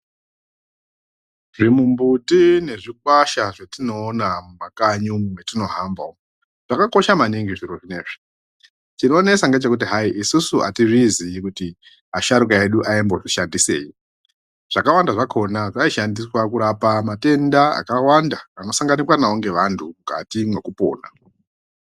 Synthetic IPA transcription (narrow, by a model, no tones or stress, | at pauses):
ʐimumbutine̞ʐik̚waʃaʐatino̞ːnamumakaɲumwetino̞ɦamba̰o | ʐ̥akako̞ʃamaniŋɡiʐiɾoʐineːʐi̥ | t͡ʃino̞ːnesaŋɡat͡ʃe̞kut̬iɦaiʔisusuʔa̰tiʐiziːkuti | aʃaɾukae̞ɗuʔaimbo̞ʐiʃandise̞ːji | ʐ̥akawandaʐakʰo̞naʐaiʃandiswakuɾapamate̞ndaa̰kawandaːno̞saŋɡanikwanaoŋɡe̞ʋantʰuuka̰timwe̞kupo̞̰ːna̰